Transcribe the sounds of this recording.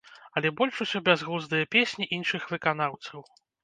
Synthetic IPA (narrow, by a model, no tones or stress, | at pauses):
ɐlʲɛbɔlʲʂusʲɔbʲazɣuzd̪ɨjɐpʲesʲnʲiʔinʂɨxvɨkan̪awt̪sɐw